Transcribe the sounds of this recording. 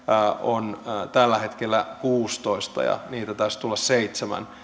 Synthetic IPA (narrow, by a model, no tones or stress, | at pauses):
ont̪ælːæhet̪kelːækuːst̪oist̪ɑ̰jɑ̰niːt̪æt̪æst̪ulːɑsseit̪semæ̰n